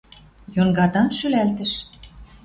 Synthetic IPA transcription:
jonɡɑt̪ɑnʃylælt̪ɘ̆ʃ

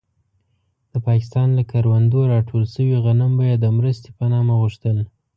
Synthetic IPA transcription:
d̪̥əpɑkɪ̥st̪ɑnlakʰaɾwand̪oɾɑʈʰolsəwiɣanəmbajɑd̪əmɾəst̪e̥pənɑmaɣuʃt̪əl

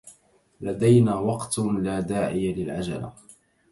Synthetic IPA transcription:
lad̪ajnaːwɑqt̪laːd̪aːʕɪjalɪlʕad͡ʒa̰la̰

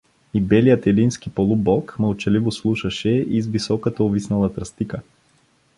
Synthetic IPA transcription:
ibɛlijət̪ɛlinskipolˠubɔkməlˠt͡ʃɐlivoslˠuʃɐʃɛizvisɔkət̪ɐovisnɐlˠɐt̪ɾɐst̪ikə

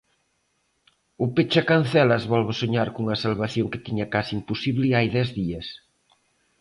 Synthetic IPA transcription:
ʊpet͡ʃakan̟θɛlɐzβɔlβʊsoɲaɾkuuŋɐsalβaθjoŋkɪt̪iɲɐkasiimposiβlɪajðɛzðiɐs

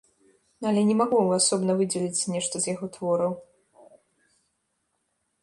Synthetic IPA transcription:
nɐlʲɛnʲɛmaɣujasɔbnɐvɨd͡zʲɛlʲit͡sʲnʲɛʂt̪ɐzjaɣɔt̪vɔɾɐw

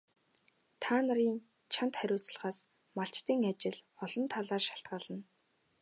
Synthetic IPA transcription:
t̪ʰaːnə̆ɾiːn | t͡ɕʰant̪χæɾʲʊːt͡sɮ̆ʁaːs | maɬt͡ɕt̪iːŋat͡ɕɪ̆ɮɔɮɞ̆nt̪ʰaɮaːrʃḁɬt̪̚ɢaːɮə̆n

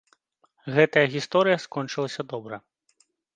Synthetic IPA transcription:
ɣɛt̪ɐjɐɣʲist̪ɔɾɨjɐskɔnt͡ʂɨlˠɐsʲɐd̪ɔbɾɐ

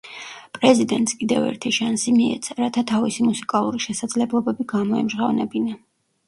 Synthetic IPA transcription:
pʼɾɛzid̪ɛnt̪ʼskʼid̪ɛvɛ̰ɾt̪ʰiʃansimiɛ̰t̪sʰaɾat̪ʰat̪ʰavisimusi̥kʼalˠuɾiʃɛsad̪zlɛblˠɔbɛbiɡamɔɛmʒʁavnɛbina

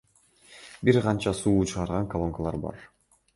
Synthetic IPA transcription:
biɾqɑnt͡ʃɑsuːt͡ʃʰɯʁɑɾʁɑŋkalˠoŋkalˠɑ̰ɾbɑ̰ɾ

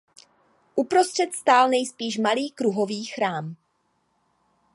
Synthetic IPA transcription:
ʔupɾo̞st̪r̝̥ɛt̪st̪aːlnɛjspiːʃmaliːkɾuɦo̞viːxɾaːm

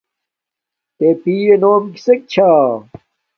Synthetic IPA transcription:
t̪eːpiːenoːmki̥sek̚t͡ɕʰaː

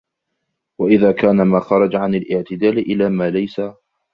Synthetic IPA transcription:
waʔɪðaːkaːnamaːxɑɾˤɑd͡ʒʕanalʔɪʕt̪ɪd̪aːlɪʔɪlaːmaːlajsa

